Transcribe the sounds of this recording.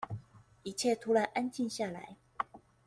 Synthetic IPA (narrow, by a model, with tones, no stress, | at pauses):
i˧˥t͡ɕʰje˥˨t̪ʰu˨˦la˨˧˦nʔa˦˥nt͡ɕi˥˧nɕja˥˩la̰˨˧˦ɪ